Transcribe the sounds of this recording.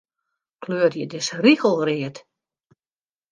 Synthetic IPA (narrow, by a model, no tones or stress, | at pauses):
kløərjədɪsriɣəl̩ˠrɪət